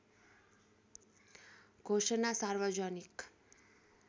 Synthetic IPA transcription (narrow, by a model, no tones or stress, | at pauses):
ɡʱoʃənasaɾʋəd͡ʒɔnik